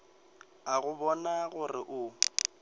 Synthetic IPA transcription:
aɣʊbɔnaɣʊrɪʔʊ

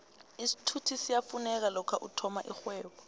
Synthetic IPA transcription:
isi̥tʰutʰisijafunɛk̬alɔkʰaʔutʰɔmaʔixwɛːɓɔ

